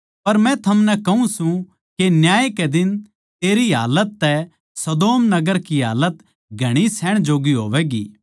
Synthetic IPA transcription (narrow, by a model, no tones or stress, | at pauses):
pɐɾmɛ̃t̪ʰɐmnɛkɐɦũsũ | kenjaːekɛd̪ɪn | t̪eːɾiɦa̰ːlət̪ːɛ | sɐd̪oːmnɐɡəɾkiɦa̰ːlət̪ | ɡʱɐɽ̃isɛːɽ̃d͡ʒoːɡiɦoːʋɛɡḭː